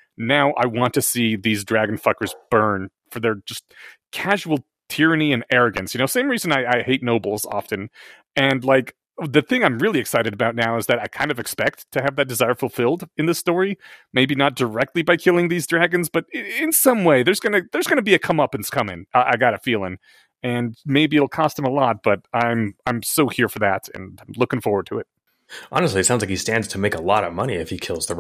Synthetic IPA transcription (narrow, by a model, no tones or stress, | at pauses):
naʊʔa̰ɪwɑ̃ntʰɨsiðizdɹæɡɨ̃n̩fʌkə˞zb̥ɜ̃˞nfə˞ðə˞d͡ʒʌst̚kʰæʒuwl̩ˠ | tʰɪɹɨniɨ̃nɛɹɨɡɨ̰̃nsjɨnoʊsẽɪ̃mɹizɨ̃naɪaɪheɪtⁿnoʊbl̩ˠzɑ̰fɨ̃n | ɨ̃nlaɪk | ðɨθɪ̃ŋãɪ̃mɹɪlˠiɨksaɪɾɨɾəbaʊtⁿnaʊɨzðɨɾaɪkʰãɪ̃ndʌvɨkspɛk̚tʰɨːvðɨt̚d̥ɨzaɪə˞fl̩ˠfɪlˠdɨ̃nðɪstɔɹimeɪbinət̚d̥ə˞ɛk̚tˡlibaɪkʰɪlˠɪ̃ŋðizdɹæɡɨ̃nzb̥ʌɾɪɪ̃nsʌ̃mweɪðə˞zɡʌnɨðə˞zɡʌnɨbiɨkʰʌ̃mʌpɨ̃n̩skʰʌ̃mɪ̰̃ŋʔaʔa̰ɪɡɑɾɨfilˠɪ̃ŋ | ɨ̃nmeɪbiɨl̩ˠkʰɔst̚hɨ̃məlɔt̚b̥ʌɾãɪ̃mãɪ̃msoʊhiɹfə˞ðæɾɨ̰̃ñɪ̃mlʊkɪ̃ŋfɔɹwə˞d̚tʰɨɨt̚ | ʔɑ̰nəstˡliɨtsãʊ̃nzlaɪk̚histæ̃ndz̥tʰəmeɪkəlɔ̰ɾʌ̰vmʌniɨfhikʰɪlˠzðə